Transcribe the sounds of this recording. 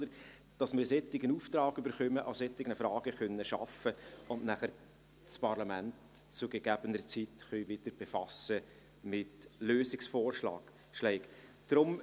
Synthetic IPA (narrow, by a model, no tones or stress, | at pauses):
dəɾ | d̥ɑsmɪɾsɛtːɪɡənuft̪ɾɑːɡybəɾχœməʔɑsɛt̪ɪɡnəfɾɑːɡ̥əχœnːəʃɑ̰fəʊntnæχəɾ | spʰɑrlɑmænt | t͡sʊɡeɡ̥æb̥ənəɾt͡sitχœʏʋɪd̥̪əɾb̥efɑsə | mɪtløːsɪksfɔːrʃlɑ̰ːɡ̥ | ʃlɛɪk | d̥ɾʊm